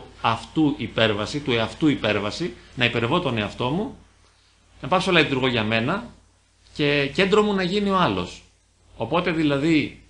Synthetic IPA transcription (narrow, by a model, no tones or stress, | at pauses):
ɐft̪uʔipe̞ɾvɐsit̪ueɐft̪uipe̞ɾvɐsinɐipe̞ɾevo̞t̪o̞ne̞ɐft̪o̞mu | nɐpɐksolɐit̪uɾɣo̞ʝɐme̞nɐ | ce̞ce̞nd̪ɾo̞munɐʝinio̞ɐlo̞̰s | o̞po̞t̪e̞ðilɐði